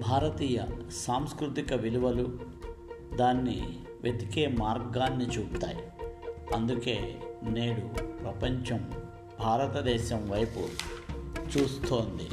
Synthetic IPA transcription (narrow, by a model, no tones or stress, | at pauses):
bʱaːɾɐt̪iːjɐ̰saːmskɾut̪ikɐʋiluʋɐlu | d̪aːnːḭ | ʋjʔet̪ikeːmaːɾɡaːnːit͡ʃuːt̪a̰ːjiɐnd̪uke̞̰ːne̞ːɽupɾɐpɐɲt͡ʃɐm | bʱaːɾɐt̪ɐd̪ɛːʃɐmʋɐjpṵ | t͡ʃuːst̪o̞ːnd̪i